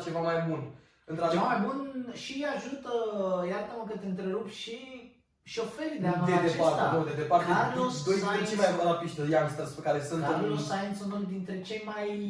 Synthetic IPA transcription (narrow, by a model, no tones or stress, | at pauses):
t͡ʃe̞vamajbun | ɨnt̪ɾad̪eamajbunʃiaʒut̪əjat̪əməkət̪eɨnt̪ɾe̞ɾupʃi | ʃo̞feɾʲid̪ead̪ed̪epaɾt̪ed̪od̪ed̪epart̪ealosd̪ojet͡ʃemajbunlapiʃt̪ejaŋst̪ɾəspekaɾesɨnt̪losajent̪sunuld̪int̪ɾe̞t͡ʃe̞jmaj